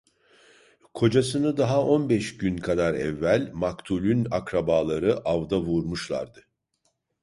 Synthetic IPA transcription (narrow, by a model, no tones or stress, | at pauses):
kʰo̞d͡ʒasɯnɯd̪aɦao̞nbɛʃɟynkʰad̪aɾɛ̰vːælʲmakt̪ʰulʲynakɾabaːlˠaɾɯʔavd̪avuɾmuʃlˠa̰ɾd̪ɯ